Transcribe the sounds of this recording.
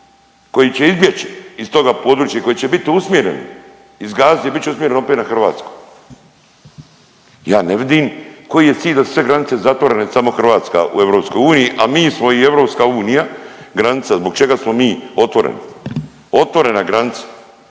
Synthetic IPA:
ko̞jit͡ɕe̞izbjet͡ʃi̥ist̪o̞ɡapo̞d̪ɾuːt͡ʃjako̞jit͡ɕebit̪iusmʲjeɾḛn | izɡaːzebit̪t͡ɕeusmʲje̞ɾe̞noopet̪naxr̩ʋa̰ːt̪skoj | jaːneʋid̪imko̞jije̞t̪siːʎʲd̪asu̥sʋe̞ɡɾanit̪se̞zat̪ʋo̞ɾe̞ne̞samo̞xr̩ʋaːt̪ska̰ṵe̞ʋɾo̞ːpsko̞juːnijiʔamiːsmo̞ie̞ʋɾo̞pskauːnijaɡɾanit̪sazbo̞ɡt͡ʃe̞ɡasmo̞miːo̞t̪ʋo̞ɾḛnḭ | o̞t̪ʋo̞ɾe̞naɡɾanit̪sḁ

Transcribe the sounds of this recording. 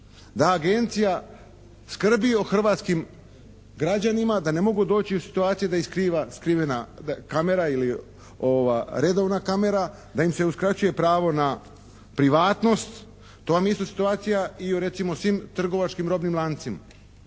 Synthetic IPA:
d̪aːɡe̞nt̪sija | skr̩bio̞xr̩ʋaːt̪skim | ɡɾad͡ʑanimad̪ane̞mo̞ɡud̪o̞ːt͡ɕiusi̥t̪uaːt̪sijed̪aiskɾiːʋaskɾiːʋenakame̞ɾaili | oʋaɾe̞d̪o̞ʋnakame̞ɾa | d̪aimse̞uskɾat͡ɕuje̞pɾaːʋo̞na | pɾiʋaːt̪no̞st̪ | t̪ːoʋamjeist̪asi̥t̪uaːt̪sijaioɾe̞t̪simosʋiːmt̪r̩ɡo̞ʋat͡ʃkimɾo̞bnimlˠant̪sima

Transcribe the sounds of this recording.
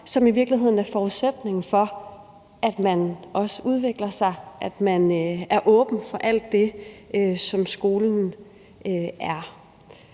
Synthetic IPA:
sɒ̽miʋiɐɡ̥lihɦe̝ð̞̰ˠn̩æɐfɒːuðˠsed̥ne̝ŋ̩fɒ̽ | ʔæd̥mænʔɒ̽səʔuð̞ˠʋe̝ɡ̥lɐsɑ̈ɪʔæd̥mænæɐʔɔ̽ːb̥n̩fɒ̽ʔæl̰d̥ːe̝øsɒ̽msɡ̥o̝ːln̩n̩ | øæɐ

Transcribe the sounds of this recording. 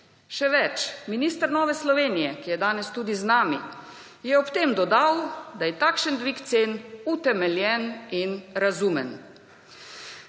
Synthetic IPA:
ʃɛʋɛt͡ʃminiːst̪əɾnɔːʋɛslɔʋeːnijɛkijɛd̪aːnɛst̪uːd̪iznaːmi | jɛɔpt̪emd̪ɔd̪awd̪ajɛt̪aːkʃənd̪ʋikt̪seːnut̪ɛmɛljɛninɾazuːmɛn

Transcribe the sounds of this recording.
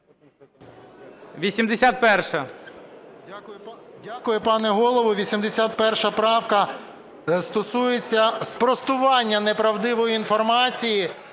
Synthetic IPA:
ʋʲisʲimd̪esʲat̪̚pɛrʃɐ | ʊjdʲakʊjʊpɑnɛɦɔlˠɔʋʊʋʲisʲimd̪esʲat̪̚pɛrʃɐpɾɑwkɐ | st̪ɔsujet͡sʲːɐspɾɔst̪ʊʋɑnʲːɐnepɾɐwd̪ɪʋɔjiin̪fɔrmɑt͡sʲiji

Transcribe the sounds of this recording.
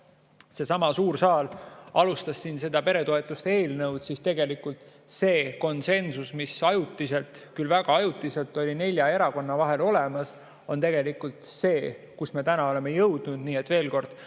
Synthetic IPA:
se̞sɑmɑsuːɾsɑːlɑlust̪ɑsːinse̞d̪̥ɑpe̞ɾe̞t̪o̞e̞t̪ːˑust̪e̞ːlnɤwd̪̥sist̪e̞ɡ̥e̞likult̪ˑse̞ːko̞nse̞nsusmisɑjut̪ːˑise̞lt̪ˑkylvæɡ̥ɑɑjut̪ːˑise̞lt̪ːˑo̞lʲine̞lʲjɑe̞ɾɑko̞nːɑvɑɦe̞lo̞lemɑs | o̞nt̪e̞ɡ̥e̞likult̪se̞ː | kusme̞t̪ænɑo̞le̞mejɤwd̪̥nud̪̥niːe̞t̪ːve̞ːlko̞rd̪̥

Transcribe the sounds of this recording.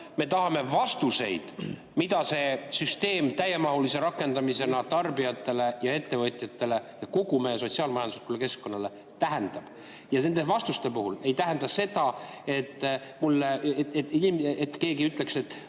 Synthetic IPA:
me̞t̪ɑɦɑme̞vɑst̪use̞̰jd̪̥ | mid̪̥ɑse̞syst̪e̞ːmt̪æjemɑɦulise̞ɾɑkːˑe̞nd̪ɑmise̞nɑt̪ɑrbiɑt̪ːˑe̞le̞jɑe̞t̪ːe̞vɤt̪ʲːˑjɑt̪ːe̞le̞jɑko̞ɡumeso̞t̪ʲsiɑːlmɑjɑnd̪u̥sulːeke̞sko̞nːɑle̞ | t̪æɦænd̪̥ɑb̥ | jɑne̞nd̪̥evɑst̪ust̪e̞puhule̞jt̪æɦænd̪̥ɑse̞d̪ɑe̞t̪ːmulːet̪inimet̪ːke̞ːɡiyt̪ˑle̞kse̞t̪ːˑ

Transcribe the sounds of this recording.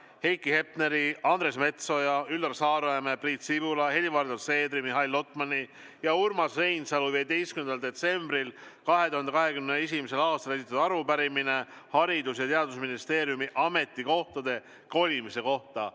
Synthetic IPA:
he̞jkːˑihe̞p̚ne̞ɾiɑnd̪ɾe̞sme̞t̪so̞jɑylːɑrsɑːɾoemebriːt̪sivulɑhe̞lʲivɑrd̪ose̞ːd̪ɾimiɦɑjlːo̞t̪ˑmɑni | jɑurmɑsre̞jnsɑluvied̪e̞jstkymend̪ɑld̪e̞t̪se̞mbrilkɑɦe̞t̪uhɑnd̪e̞kɑɦe̞kymnee̞s̬imise̞lɑːst̪ɑle̞s̬it̪ɑt̪ɑɾubæɾimine̞ | hɑɾid̪̥usjɑt̪e̞ɑd̪̥usminist̪e̞ːɾijumiʔɑme̞t̪ːˑiko̞ht̪ɑd̪e̞ | ko̞lʲimise̞ko̞ht̪ɑ

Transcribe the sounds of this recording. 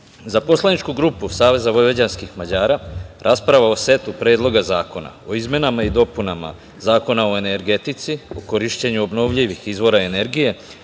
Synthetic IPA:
zapo̞slanit͡ʃkuɡɾuːpusaːʋe̞zaʋo̞jʋed͡ʑanskixmad͡ʑaːɾaɾʔaspɾaʋao̞se̞t̪upɾeːd̪lˠo̞ɡazaːko̞na̰o̞izmje̞namaid̪o̞punama̰ | zaːko̞nao̞e̞ne̞ɾɡe̞t̪it̪sio̞ko̞ɾiʃt͡ɕeɲuo̞bno̞ʋʎiʋixizʋo̞ɾae̞ne̞ɾɡije̞

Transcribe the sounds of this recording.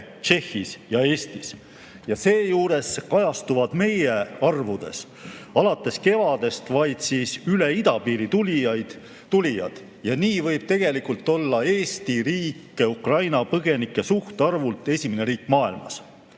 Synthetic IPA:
t͡ʃe̞xːisjɑe̞ːst̪is | jɑse̞ːjuːɾe̞skɑjɑst̪uvɑd̪̥me̞jeɑrvud̪̥e̞̰s | ɑlɑt̪ːˑe̞ske̞vɑd̪e̞st̪vɑjd̪̥siːsyle̞id̪̥ɑpiːɾit̪ul̥ | t̪ulʲijɑ̰d̪̥ | jɑniːvɤjb̥̚t̪e̞ɡ̥e̞likult̪ˑːo̞lːɑe̞ːst̪iɾiːkːe̞ukrɑjnɑpɤɡ̥e̞nikːˑe̞suht̪ɑrvult̪ˑe̞sʲimeneɾiːkːmɑːilmɑ̰s

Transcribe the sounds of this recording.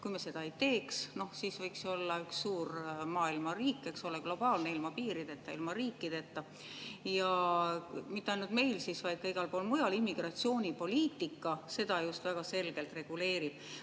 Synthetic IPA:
kujmese̞d̪ɑe̞jt̪e̞ːksno̞hsiːsvɤjkso̞lːɑyksːuːrmɑːilmɑriːkːe̞kso̞leɡ̥lo̞b̥ɑːlneilmɑpiːɾid̪̥e̞t̪ːˑɑḭlmɑriːkːˑid̪̥e̞t̪ːɑ | jɑ | mit̪ːeɑjnult̪me̞jlsisvɑjd̪̥̚kɤjɡ̥ɑlpo̞ːlmujɑlimːiɡ̥rɑt̪sio̞ːnʲipo̞lʲiːt̪ːikːˑɑse̞d̪̥ɑjust̪væɡ̥ɑse̞lɡ̥e̞lt̪re̞ɡ̥ule̞ːɾib̥

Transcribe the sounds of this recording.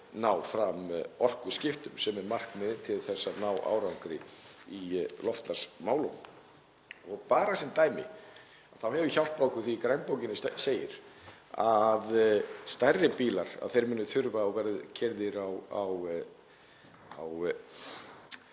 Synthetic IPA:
naːwfɾamɔr̥kʏscɪft̪ʏmsɛmɛɾmar̥kmɪðt̪ʰɪlθɛsːanaːwʔa̰ːwɾawŋkɾɪ̰ilɔft̪lasmaːwlo̰wn | ɔɣpaːɾasɛmt̪aːjmɪ̰ | aðθawhɛvʏçawl̥t̪̚pakʏ̥θikɾajnpowcɪnɪsseːjɪ̰ɾ̥ | aðst̪arːɪpiːlaɾ̥a̰ðθejɾmɛnːʏθʏɾvaɔɣvɛɾðʏcʰɛɾðɪɾawaw | aw

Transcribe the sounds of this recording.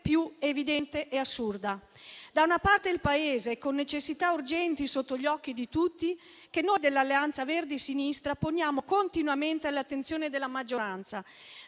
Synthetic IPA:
pjuevid̪ɛnt̪eʔeasːurd̪a | d̪aunapart̪eilpaeːzekonːet͡ʃesːit̪aurd͡ʒɛnt̪isot̪ːoʎɔk̟ːid̪it̪ut̪ːi | kenːojd̪elːalːeant̪saverd̪isinist̪ɾapoɲjaːmokont̪inwament̪ealːat̪ːent̪sjoːned̪elːamad͡ʒːoɾant̪sa

